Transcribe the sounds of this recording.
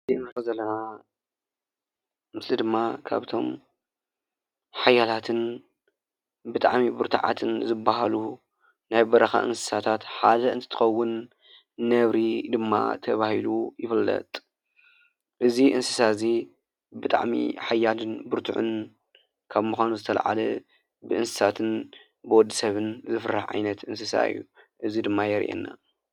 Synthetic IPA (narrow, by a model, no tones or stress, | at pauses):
zenaɐzɐlːɐna | mɨslid̪ɨmːakʰa̰βt̪ʰo̞m | ħajalat̪ʰɨn | bɨt̪ʼa̰ʕmibɨɾt̪ʰuʕa̰t̪ʰɨnzɨbːahalu | najbɐɾɐxa̰ʔɨ̰nsɨ̥sat̪ʰat̪ħad̪ɐʔɨnt̪ʰit̪ʰɨ̥xɐwːʊnː | ɐβɾid̪ɨmːa̰t̪ʰɐβahilujɪfɨlːɐ̰t̪ʼ | ʔɨziʔɨnsɨ̥sazi | bɨt̪ʼa̰ʕmḭħajːad̪ɨnbɨɾt̪ʰuʕʊ̰n | kʰaβmuxʷanuzɨt̪ʰɐlʕa̰lɐ̰ | bɨʔɨnsɨ̥sat̪ʰɨn | bɨwɔd̪ːɨsɐβɨnzɨfɨɾːaħʕa̰jnɐt̪ɨnsɨsa̰ɨ̰jːu | ʔɨzid̪ɨmːajɛɾʔḛnːa̰